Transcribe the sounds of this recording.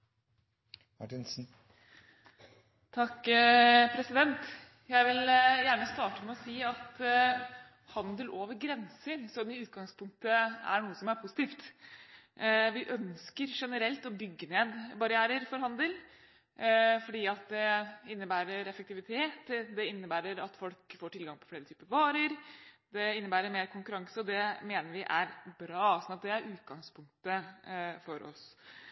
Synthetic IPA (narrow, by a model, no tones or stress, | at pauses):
mɑʈɪnsn̩ | t̪ʰɑkː | pʰɾɛsɪd̪ɛnt̪ | jæɪʋɪljæːɳəst̪ɑːʈəmɛɔsiːɑt̪ | hɑnd̪əlʔoːʋəɾɡɾɛnsəɾsɔmɪʉːt̪̚ɡɑŋspʰʊŋk̚t̪əæ̰ɳuːəsɔmæɾpʰʊsɪt̪iːft̪ | ʋɪʔœnskəɾʂɛnəɾɛlt̪ɔbʏɡːəneːd̪bɑɾɪæːɾəɾfɔɾɦɑnd̪əl | fɔɖiːɑt̪̚d̪ɛɪnːəbæːɾəɾɛfəɛk̚t̪ɪʋɪt̪ʰeːt̪d̪ɛɪnːəbæːɾəɾɑt̪fɔlkfoːʈʰɪlɡɑŋpʰɔ̥fleːɾət̪yːpəɾʋɑːɾəɾd̪ɛɪnːəbæːɾəɾmeːɾkʰʊŋkʉɾɑŋsəɔd̪ɛmeːnəɾʋɪʔæɾbɾɑːsɔnɑt̪̚d̪ɛæɾʔʉːt̪̚ɡɑŋspʰʊŋk̚t̪əfɔɾʔɔ̰s